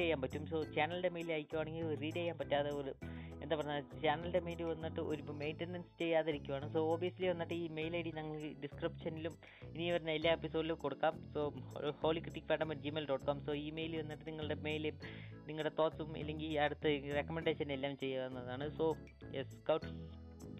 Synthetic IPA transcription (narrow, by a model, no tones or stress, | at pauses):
ejːaːmpɐtːumso̞ːt͡ɕaːnɐlɨɽe̞me̞jlilaːjikʲːuʋaːɳe̞ŋɡiloɾuriːʈejːaːmpɐtːaːðeoːlɨe̞nd̪aːpɐrɐɲːat͡ɕaːnɐlɖe̞mejluʋɐnːiʈːɨʔoɾupːɐme̞jnʈenɐnst͡ɕe̞jːaːðiɾikʲːuʋaːɳɨso̞ːoːbijɐsiliʋɐnːiʈːɨiːme̞jlɐjɽinɐŋːɐɭɨɖiskripʂɐnilum | iniʋɐɾunːɐelːaːepːisoːɖilukoɽukːaːmsoːho̞ːɭikriʈːikːpeːɳɖɐmɐʈd͡ʑimeːlɖoːʈkoːmso̞ːiːmejliʋɐnːiʈːɨniŋːɐɭɨɽe̞me̞jl | niŋːɐɭɽe̞t̪o̞ːʈsumḭlːe̞ŋɡilɐɽut̪ːɨre̞kːɐmeɳɖeʂɐnelːaːʋumt͡ɕe̞jːaðɐnːɐðaːɳɨso̞ː | jeskɐwʈs